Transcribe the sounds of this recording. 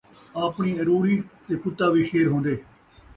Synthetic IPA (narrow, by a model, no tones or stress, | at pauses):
aːpɳiːəɾuːɽiːt̪eːpʊt̪ːaːʋiːʃeːɾɦõːnd̪eː